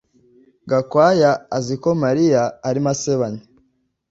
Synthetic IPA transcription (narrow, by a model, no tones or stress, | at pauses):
ɡakwaːjaːziko̞maɾijaːɾimaseβaɲe